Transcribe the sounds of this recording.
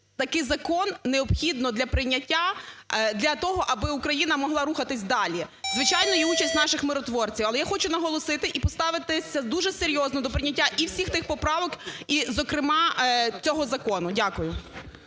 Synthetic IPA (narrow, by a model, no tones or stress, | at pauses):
t̪ɐkɪjzɐkɔnːeɔbxʲid̪nɔd̪lʲɐpɾɪnʲɐtʲːad̪lʲɐt̪ɔɦɔʔɐbɪukɾɐjinɐmɔɦlˠɑɾuxɐt̪ɪsʲd̪ɑlʲizʋɪt͡ʃajnɔjiut͡ʃɐsʲtʲnɑʃɪxmɪɾɔt̪ʋɔrt͡sʲiwɐlˠɛjaxɔt͡ʃʊnɐɦɔlˠɔsɪt̪ɪʔipɔst̪ɑʋɪt̪ɪsʲɐd̪uʒɛseɾʲjɔznɔd̪ɔpɾɪnʲɐtʲːaʔiwsʲixt̪ɪxpɔpɾɑʋɔkizɔkɾɪmɑt͡sʲɔɦɔzɐkɔnʊdʲakʊjʊ